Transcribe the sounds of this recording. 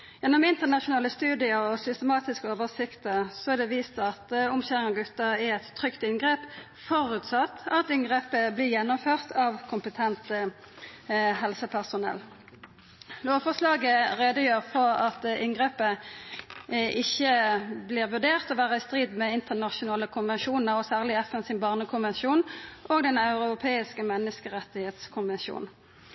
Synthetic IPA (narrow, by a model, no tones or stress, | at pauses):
jɛnːɔmɪnt̪əʁnɑʃʊnɑːləst̪ʉːd̪ɪəɔsʏst̪əmɑːt̪ɪskəoːʋəʁsɪkt̪əsɔæd̪ɛʋiːst̪ɑt̪ɔmçæːʁɪŋɑɡʉt̪ːəʁɪɛt̪ʰːʁʏkt̪ɪnɡʁeːp | fɔʁʉːt̪sɑt̪ːɑt̪ɪŋɡʁeːpəblɪʁjɛnːɔmføːʁt̪ʰɑʋkʰʊmpət̪ʰɛnt̪ | hɛlsəpʰæʁsʊnɛ̰lː | loːfɔslɑːɡəʁeːd̪əjøːʁfɔʁɑt̪ɪŋɡʁeːpə | ʔɪçəblɪːʁʋʉʁd̪eːʁt̪ɔʋæːʁəɪst̪ʁiːd̪mɛɪnt̪əʁnɑʃʊnɑːləkʰʊnʋɛnʃuːnn̩əʁɔsæːʁlɪɛfɛnsɪnbɑːʁnəkʰʊnʋɛnʃuːnʔoːɡd̪ɛnɑʉʁʊʊpʰeːɪskəmɛnːəskəʁɛt̪ːɪheːt̪skʰʊnʋɛnʃṵːn